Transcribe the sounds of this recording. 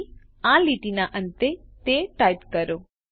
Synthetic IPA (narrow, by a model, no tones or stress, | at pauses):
ãliʈinaʔə̃nt̪et̪eʈajpkəɾo